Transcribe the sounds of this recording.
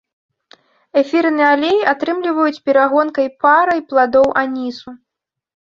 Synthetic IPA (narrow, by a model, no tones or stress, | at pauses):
ɛfʲiɾɨnɛalʲejat̪ɾɨmlʲivɐjut͡sʲpʲɛɾaɣɔnkɐjpaɾɐjplˠad̪ɔwʔanʲisu